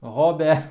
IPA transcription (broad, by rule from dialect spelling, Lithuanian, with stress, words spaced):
ˈɣoːbʲɛ